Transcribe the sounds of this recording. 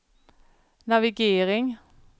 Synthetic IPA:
nɑʋɪɡeːʁɪŋ

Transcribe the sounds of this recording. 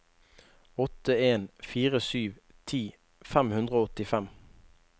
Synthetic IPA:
ɔt̪əeːnfiːʁəsyːʋ | t̪ʰiː | fæmhʉnd̪ʁəoːɔt̪ɪfɛm

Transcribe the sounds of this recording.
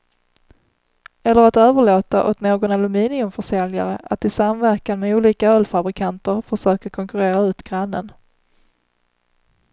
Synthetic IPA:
ɛlːəɾat̪øːvəɭoːt̪a̰ʔɔ̰t̪noːɡɔnalɵmiːnɪɵmfœʂɛlja̰ɾəʔat̪ɪsamvæɾkanmɛuːliːkaœːlfabɾɪkʰant̪əɾfœʂøːkəɾkʰɔŋkɵɾeːɾaʉ̟ːt̪ɡ̥ɾanːə̰n

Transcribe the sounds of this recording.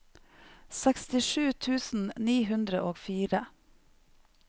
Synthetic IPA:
sɛkst̪ɪʃʉːt̪ʰʉːsn̩niːɦʉnd̪ɾəʔoːɡfiːɾə

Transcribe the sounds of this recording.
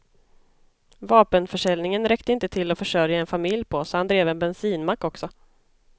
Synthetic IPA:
vɑːpənfœʂɛlnɪŋənɾɛkt̪əɪnt̪ət̪ʰɪlːɔfœʂœɾjaɛnfamɪljpʰɔsɔhand̪ɾeːvɛnbɛnsiːnmakːɔksɔ

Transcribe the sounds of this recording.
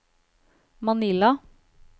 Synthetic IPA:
mɑnɪlɑ

